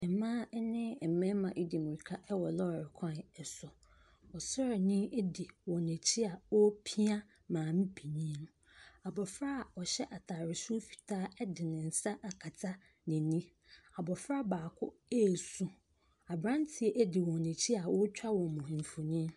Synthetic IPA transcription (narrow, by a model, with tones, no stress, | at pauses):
ɛ˨mãː˦nɪ̃˦˨m̩˨mɛ̃˦mã˨ʔi˦di˨mũ˨ɾi˨kʰa˦ʔɛ˦wɔ˨lɔ˦˨ɾɪ˨kʰã˦˨n˨ɛ˨sʊ˨ | ɔ˨sɔ˦ɾa˨nĩ˦ʔe˦di˨wɔ̃˨ne˨t͡ɕʰi˦a˨wɔ˦pʰi˦a˦ | mãː˨m̩˦pʰe˨ɲĩ˦nʊ̃˦ | a˨bɔ˨fɾa˦˨ɔ˨ɕɛ˦ʔa˨tʰaː˨ɾɪ˨su˦fi̥˨tʰaː˦ɛ˦dɪ˨nɪ̃˨n̩˨sa˦ʔa˨kʰa˨tʰa˦ | nɪ̃˨nĩ˦ | a˨bɔ˨fɾa˦baː˨kʰʊ̰˦e˦˨sũ˦ | a˨bɾã˦n˦tʰi˨e˦ʔe˦di˨wɔ̃˨nẽ˨t͡ɕʰi˦a˨wɔ˦t͡ɕᶣa˦wɔ̃˨mʊ̃˨ɱ̩˨fʊ˨ɲĩ˦